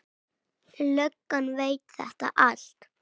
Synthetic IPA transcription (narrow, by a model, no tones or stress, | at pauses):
lœkːanveːjt̪θɛ̰ht̪a̰ʔal̥t̪